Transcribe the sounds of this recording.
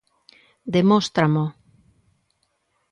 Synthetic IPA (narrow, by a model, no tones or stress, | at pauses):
d̪emost̪ɾamo